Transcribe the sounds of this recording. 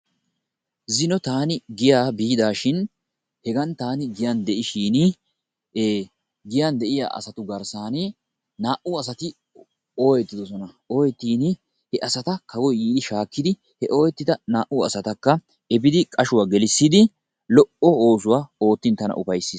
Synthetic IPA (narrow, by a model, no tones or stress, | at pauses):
zɪnɔt̪aːnɪɡɪjaːbiːd̪aːʃɪn | hɛɡɐnt̪aːnɪɡɪjɐnd̪ɛʔɪʃiːnɪ | eː | ɡɪjand̪ɛʔɪja̰ːʔɐ̰sɐt̪ʊɡɐɾsaːnɪ | naːʔʊɐsɐt̪ɪ | oːjɛt̪ːɪd̪ɔsɔnɐ | oːjɛt̪ːiːnɪ | hɛʔɐsɐt̪ɐkʰɐwɔjjiːd̪ɪʃaːkːɪd̪ɪ | hɛʔo̞ːjɛt̪ːɪd̪ɐnaːʔʊɐsɐt̪ɐkːɐ | ɛbɪd̪ɪkʼɐʃʊwaːɡɛlɪsːɪd̪ɪ | lɔʔɔo̞ːs̬ʊwaːo̞ːt̪ːɪnt̪ɐnɐ̰ʔʊpɐjsːiːs